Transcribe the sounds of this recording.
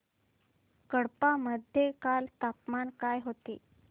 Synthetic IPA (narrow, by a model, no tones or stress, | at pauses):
kəɽpaməd̪ʱjekalt̪apmankajɦot̪ḛ